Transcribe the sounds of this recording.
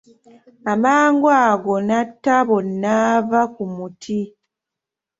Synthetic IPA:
amaːŋɡwaːɡonatːaβonːavakumutʰi

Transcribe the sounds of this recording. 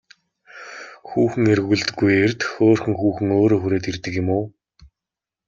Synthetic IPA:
xuːxɘ̆ŋerɣuɮt̪ɘ̆ɡːujert̪xoːrxɘ̆ŋxuːxɘ̆ŋoːɾoːxuɾeːt̪irt̪ɘ̆kjɪ̆mʊː

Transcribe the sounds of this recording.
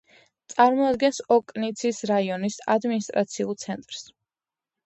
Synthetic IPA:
t̪sʼaɾmɔad̪ɡɛnsɔkʼnit̪sʰisɾaiɔnisa̰d̪minist̪ʼɾat̪sʰiulˠt̪sʰɛnt̪ʼɾs

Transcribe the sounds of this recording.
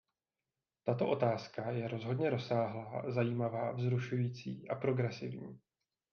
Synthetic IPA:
t̪at̪o̞ʔo̞t̪aːskajɛɾo̞zɦo̞dɲɛɾo̞saːɦlaːzajiːmavaːvzɾuʃujiːt͡sḭːʔapɾo̞ɡɾɛsɪ̰vɲḭː

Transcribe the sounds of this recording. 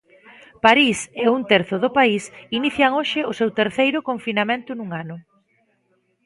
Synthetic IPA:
paɾisɪunt̪eɾθʊðʊpaisiniθjaŋoʃɪʊsewt̪eɾθejɾʊkoɱfinamẽnt̪ʊnuŋanʊ

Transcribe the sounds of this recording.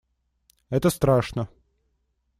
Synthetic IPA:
ɛt̪əst̪ɾaʂnə

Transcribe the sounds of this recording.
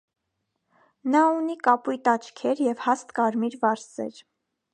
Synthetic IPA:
nɑunikɑpujt̪ɑt͡ʃʰkʰɛɾjɛvhɑst̪kɑɾmiɾvɑɾsɛ̰ɾ

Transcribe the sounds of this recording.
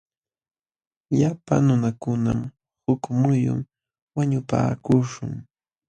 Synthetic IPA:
ʎapanʊnakʊnam | hʊkmʊjʊ̰m | waɲʊpa̰ːkʊʃʊŋ

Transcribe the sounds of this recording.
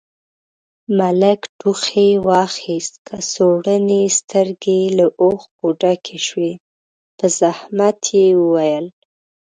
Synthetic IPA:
maləkɖuxewɑxist̪kʰəsoɽənest̪əɾɡelaʔoxbuɖakʰeʃwe | pəzahmat̪ʰjewəwajəl

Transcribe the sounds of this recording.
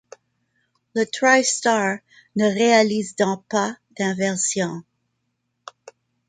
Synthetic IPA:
lət̪ʁajstaɹ | nəʁealizd̪ɔ̃pad̪̥ɛ̃vɛʁsjɔ̃

